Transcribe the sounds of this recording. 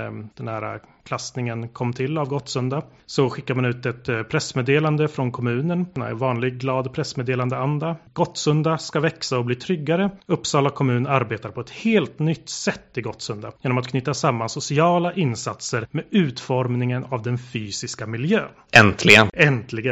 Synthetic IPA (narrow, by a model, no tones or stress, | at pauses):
d̪̥ɛnhæːɾa̰kʰlast̪nɪŋənkʰɔmːt̪ʰɪlːavɡɔt̪sɵnd̪a | sɔɧɪkːaɾmanʉ̟ːt̪ɛt̪pʰɾɛsmeːd̪eːland̪əfɾɔnkʰɔmʉ̟ːnənnɛ̰vɑːnlɪɡ̚ɡlɑːd̪pʰɾɛsmeːd̪eːland̪əand̪aɡ̥ɔt̪ːsɵnd̪askavɛksaɔbliːt̪ʰɾʏɡːaɾəɵpːsɑːlakʰɔmʉ̟ːnaɾbeːt̪aɾpʰɔɛt̪heːlt̪nʏt̪ːsɛt̪ːɪɡɔt̪sɵnd̪ajeːnɔmat̪kʰnʏːt̪ːasamːansʊsɪɑːlaʔɪnsat̪səɾmɛʉ̟ːt̪fɔɾmnɪŋənavd̪ɛnfyːsɪskamɪljøːnʔɛnt̪ʰlɪɡənɛnt̪lɪɡə